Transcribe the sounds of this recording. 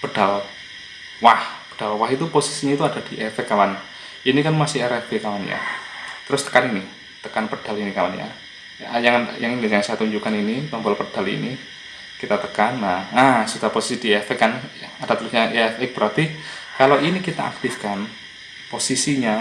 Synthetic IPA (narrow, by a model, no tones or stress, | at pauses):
pəd̥al | wahpə̥d̥alwaɦit̪uposisiɲait̪uadad̥iʔɛfɛkːapan | inikanmasɪɾɛb̥ekapanja̰t̪əɾʊst̪ə̥kanini | t̪əkanpəd̥a̤linikapa̰nja̰ | jajaŋnjaŋinijaŋsaat̪uɲd͡ʒukaninit̪ɔmpɔlpəd̥alḭni | kit̪at̪əkanːaasud̪aposi̥sid̥iɛfɛkanaad̥at̪əluhɲajafɪk̚b̥əɾat̪ikaloinikit̪a̰ʔa̰k̚t̪ifkan | posisiɲa